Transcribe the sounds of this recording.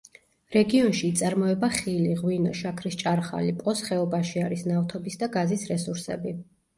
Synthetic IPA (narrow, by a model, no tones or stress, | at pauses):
ɾɛɡiɔnʃiːt̪sʼaɾmɔɛbaχiliʁwinɔʃakʰɾist͡ʃʼaɾχa̰lipʼɔsχɛɔbaʃiaɾisnaft̪ʰɔbisd̪aɡazisɾɛsuɾsɛ̰bi